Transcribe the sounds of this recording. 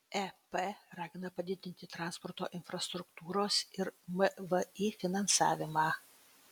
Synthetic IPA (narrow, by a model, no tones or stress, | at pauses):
ɛpeɾɑːɡʲɪnɐpɐd̪ʲɪd̪ʲɪnʲt̪ʲɪt̪ɾɑˑnspɔɾt̪o̰ːʔɪnfɾɐst̪ɾʊkt̪uːɾoːsɪɾməʋəiːfʲɪnɐnsɑ̰ːʋʲɪmɑː